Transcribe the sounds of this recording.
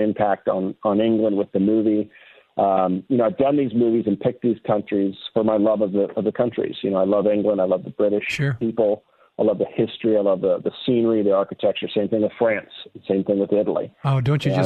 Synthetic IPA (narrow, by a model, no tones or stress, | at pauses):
ɨ̃mpʰæk̚tn̩n̩ɪ̃ŋɡlə̃nd̚wɨðɨmuvi | ʔjɨnoʊaɪvdʌ̃nðizmʉvizɨ̃npʰɪk̚ðiz̥kʰʌ̃nt͡ʃɹ̥iz̥fə˞maɪlʌvʌvðəʔʌvðəkʰʌ̃nt͡ʃɹ̥ḭz̥jɨ̰noʊaɪlʌvɪ̃ŋɡlə̃ndaɪlʌvðəbɹɪɾɨʃʊpipl̩ˠ | aɪlʌvðɨhɪstɹ̥iaɪlʌvðəðɨsĩnə˞iðiɑɹkɨtʰɛk̚t͡ʃə˞sẽɪ̃mθɪ̃ŋwəð̥fɹæ̃nssẽɪ̃mθɪ̃ŋwəðɪɾl̩ˠḭoʊdõʊ̃nt͡ʃɨd͡ʒʌ